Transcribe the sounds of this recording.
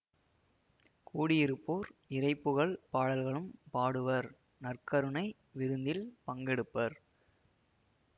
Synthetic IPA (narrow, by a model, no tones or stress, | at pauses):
kuːɽɪjɪɾɯpːoːɾɪrɐɪpːɯɣɐɭpaːɽɐlɣɐɭɯmpaːɽɯʋɐɾ | nɐrkɐɾɯɳɐɪ | ʋɪɾɯnd̪ɪlpɐŋɡɛɽɯpːɐɾ